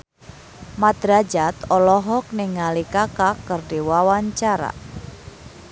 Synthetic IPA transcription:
mad̪ɾad͡ʒat̪ɔlɔɦɔk̚nɪŋːalikakakərdiwawaɲt͡ʃaɾa̰

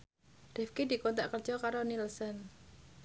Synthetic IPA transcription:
rifkid̪i̤kont̪aʔkərt͡ʃɔkaɾonilsən

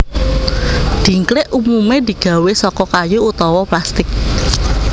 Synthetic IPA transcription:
d̪̥i̤ŋklɪʔumumed̪i̤ɡ̥ä̤wesɔkɔkajuut̪ɔwɔplast̪ɪk̚

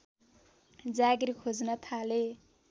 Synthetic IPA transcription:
d͡zaɡirikʰod͡znʌt̪ʰale

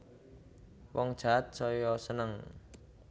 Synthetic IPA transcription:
wɔŋd̥ʒ̥a̤t̪̚sɔjɔsənəŋ

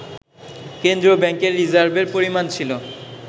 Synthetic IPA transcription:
kend̪ɾobɛŋkeɾːizaɾbeɾpoɾimant͡ɕʰilo

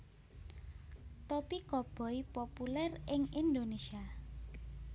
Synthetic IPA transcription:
t̪ɔpikɔb̥ɔ̤ipopulɛrɪŋind̪onesia

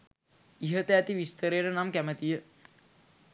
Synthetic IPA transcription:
iɦət̪eɐt̪iʋist̪əɾeːɾənaːmkæmət̪ijə

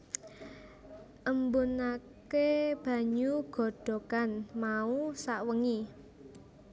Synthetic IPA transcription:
ʔəmbunakeb̥a̤ɲuɡ̥ɔ̤ɖ̥ɔ̤kanmausaʔwəŋi

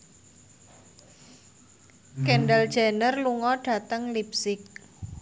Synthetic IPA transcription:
kɛɳɖald̥d͡ʒ̥anərluŋɔɖ̥a̤t̪əŋlip̚sɪk̚

